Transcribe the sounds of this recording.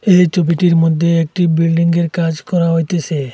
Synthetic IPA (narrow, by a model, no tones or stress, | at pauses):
ejt͡ɕobiʈiɾmod̪ʱːeek̚ʈibilɖiŋɡeɾkad͡ʑkɔɾaɦojt̪et͡ɕʰe